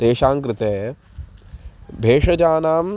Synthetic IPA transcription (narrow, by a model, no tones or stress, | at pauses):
t̪eːʃaːŋkɾɪt̪eː | bʱeːʂɐd͡ʒaːnaːm